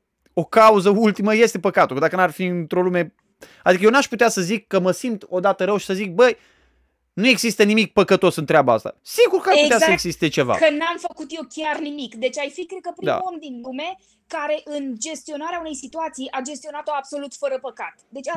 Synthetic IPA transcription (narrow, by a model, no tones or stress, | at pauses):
o̞kauzəult̪iməje̞st̪e̞pəkat̪uld̪akənarfiɨnt̪ɾo̞lume̞ | ad̪ik̬əjenaʃput̪easəzikːəməsimt̪o̞d̪at̪əɾəwʃi̥səzik̚bəj | nue̞ɡzist̪ənimik̚pəkət̪o̞sɨnt̪ɾeabaa̰st̪a̰siɡurkəaʃput̪asəeɡzist̪et͡ʃe̞va̰kənamfəkut̪jewkʲernimikd̪e̞t͡ʃʲajfikɾed̪̚kəpɾid̪a̰omd̪inlume̞ | kaɾe̞ʔɨnd͡ʒe̞st̪io̞naɾeaune̞jsit̪uat̪sijʔad͡ʒe̞st̪io̞nat̪oabso̞lut̪fəɾəpəkat̪d̪e̞t͡ʃa